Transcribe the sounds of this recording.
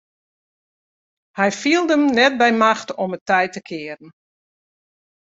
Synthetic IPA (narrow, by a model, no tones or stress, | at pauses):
hɛjfiəlˠdəmnɛt̚bɛjmaxtɔmətɛjtəkʰɪːəɾn̩